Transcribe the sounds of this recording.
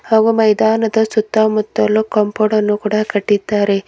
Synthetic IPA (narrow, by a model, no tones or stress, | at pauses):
haːɡumɐjd̪aːnɐd̪ɐsut̪ːaːmut̪ːɐlːukɐmpoɽɐnːukuːɽakɐʈːid̪ːaːɾe